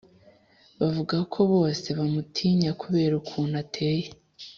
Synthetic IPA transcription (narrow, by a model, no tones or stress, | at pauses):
βavuɡakʰo̞βo̞ːse̞βamutʰiːɲakuβe̞ːɾukʰuːn̥hatʰe̞ːje